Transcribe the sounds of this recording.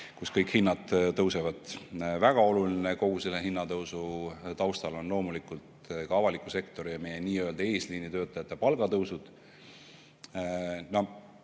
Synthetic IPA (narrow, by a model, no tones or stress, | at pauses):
kuskɤjkhinːɑd̪t̪ːɤwsevɑd̪̥væɡ̥ɑo̞lulineko̞ɡ̥uselːeɦinːɑt̪ɤwsut̪ɑwst̪ɑlo̞nlo̞ːmulikult̪kɑɑvɑlikːˑuse̞kt̪o̞ɾijɑme̞jeniːøeld̪ɑe̞ːsliːnit̪ø̞ːt̪ːˑɑjɑt̪ˑːepɑlɡ̥ɑt̪ɤwsud̪̥ | no